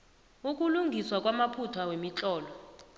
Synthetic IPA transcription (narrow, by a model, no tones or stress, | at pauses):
uk̬ʼuluŋɡʱiswakʼwamapʰutʰwawemit͡ɬʼɔːlɔ